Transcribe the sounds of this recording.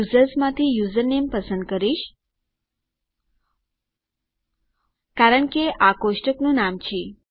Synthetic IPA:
uzəɾsmãt̪ʰijuzəɾnempəsənd̪̚kəɾiʃ | kaɾəɳkeʔakoʃʈəknũnamt͡ʃʰi

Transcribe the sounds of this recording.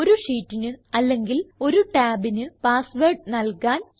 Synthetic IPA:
oɾuʂiːtːinɨɐlːe̞ŋɡilo̞ɾuʈaːbinɨpaːsʋeːrʈnɐlkaːn

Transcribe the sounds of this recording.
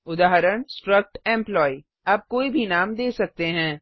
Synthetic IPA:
ʊd̪aːɦɾəɽ̃sʈɾək̚ʈɛ̃ːmplɔːi | aːp̚koːibʱinaːmd̪eːsɐk̚t̪eɦɛ̃ː

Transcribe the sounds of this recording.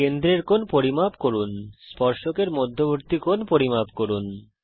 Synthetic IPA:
end̪ɾeɾkonpoɾimabkoɾunspɔɾʃokeɾmod̪ʱːoboɾt̪ikonpoɾimapkoɾun

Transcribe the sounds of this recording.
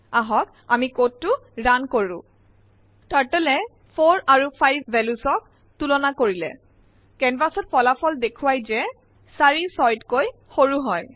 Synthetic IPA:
aɦɔk | amikotːʊɹankoɹʊ̰̃ | taɹtɛlɛ | pʰoɹaɹupʰajbːɛlusɔk̚ | tulɔnakoɹilɛ̰ | kɛnbasɔt̚pɔlapʰɔldekʰʊwajzɛ | saɹisɔjtkoj | xoɹuɦɔj

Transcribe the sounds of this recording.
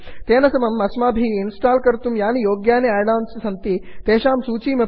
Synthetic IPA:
t̪enɐsɐmɐmːɐsmaːbʱiːinsʈalkəɾt̪uːmjanijoːɡjaneaɽaːnssɐnt̪iːt̪eɕãːmsuːt͡ɕiːmə

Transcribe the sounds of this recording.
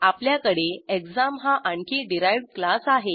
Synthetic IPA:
apljakəɽeekd͡zamɦaʔaɳkʰiɖiɾajʋɽklasaɦe

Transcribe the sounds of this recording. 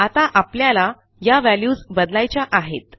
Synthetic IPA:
at̪aʔapljala | jaʋæljuːd͡zbəd̪lajt͡ɕaʔaɦḛt̪̚

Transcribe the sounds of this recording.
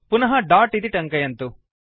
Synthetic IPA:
punɐɦɐɖaːʈid̪iʈɐŋkɐjɐnt̪u

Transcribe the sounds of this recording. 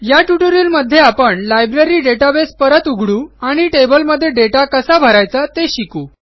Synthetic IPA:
jaʈjuʈoɾiːlməd̪ʱːjeapəɳlajbɾeɾiːɖeʈabespəɾət̪uɡʱɽuːaɽ̃iʈebəlməd̪ʱːjeɖeʈakəsabʱəɾajt͡sat̪eɕikuː

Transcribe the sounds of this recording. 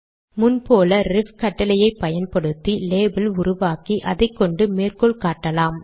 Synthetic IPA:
mʊnpoːlɐɾɪfkɐʈːɐlɐjɐɪpːɐjɐnpɐɽɯt̪ːileːbɪlʊrʊʋaːkiʔɐðɐɪkːɔɳɖɯmeːrkɔɭkaːʈːɐlaːm

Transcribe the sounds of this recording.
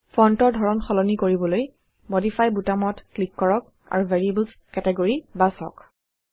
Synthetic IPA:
pʰɔntɔɹdʱɔɹɔnxɔlɔnikoɹibɔloj | modifʰajbutamɔtklikːɔɹɔk̚ | a̰ɹuvʱɛɹieblskɛtɛɡoɹibasɔ̰k

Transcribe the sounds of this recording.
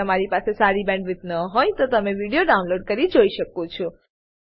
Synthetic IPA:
əmaɾipasesaɾibɛ̃ɳɖʋɪt̪nəɦojt̪ot̪əmeʋiɽijoɖaunloɖ̚kəɾid͡ʒoiʃəkũt͡ʃʰɔ

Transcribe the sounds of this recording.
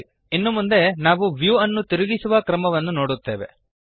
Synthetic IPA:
inːumund̪e̞naːʋuʋjuːɐnːut̪iɾuɡisuʋɐkɾɐmɐʋɐnːuno̞ːɽut̪ːe̞ːʋe̞̰

